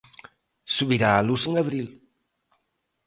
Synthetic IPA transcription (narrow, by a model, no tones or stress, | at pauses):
suβiɾaːlusəŋəβɾil